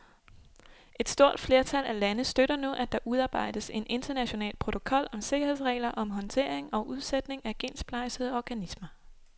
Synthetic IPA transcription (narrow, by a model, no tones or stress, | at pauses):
e̝d̥sd̥o̝ɐ̰d̥fle̝ɐt͡sʰælʔælænəsd̥øɾɐnoʔæd̥ɑ̈ʔuð̞ˠɑ̈ːb̥ɑ̈ɪ̰d̥əse̝ne̝nd̥ɐnæɕo̝nɛ̰ːlpʰʁo̝t͡sʰo̝kʰɒ̽l̰ɒ̽mse̝ɡ̥ɐhe̝ðˠsʁɛ̰ɪlɐʔɒ̽mɦɒ̽nt͡sʰe̝̰ɐ̰eŋɒ̽ʔuð̞ˠsed̥ne̝ŋæɡ̥e̝̰ːnsb̥ʰlɑ̈ɪseð̰ˠɒɡ̥ænismɐ